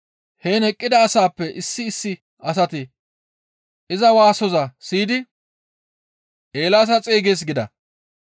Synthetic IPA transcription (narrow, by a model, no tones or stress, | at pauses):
heːnɛkʼːɪd̪ɐːsaːpːɛʔɪsːɪːsːɪ | ɐs̬ɐt̪ɪ | ʔɪzɐwaːsɔzɐsiːd̪ɪ | ʔeːlaːs̬ɐt͡sʼeːɡeːs̬ɡɪd̪ɐ̰